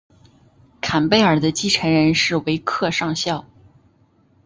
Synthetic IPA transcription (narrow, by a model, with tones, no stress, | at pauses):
kʰa˨˩npe˥˩ɪə˞˨˩d̪ə˦t͡ɕi˥˩ʈ͡ʂʰə˧˥nɻə˧˥nʂɻ̩˥˩we˧˥ɪkʰɤ˥˧ʂɑ˥˧ŋɕjɑ˥˩ʊ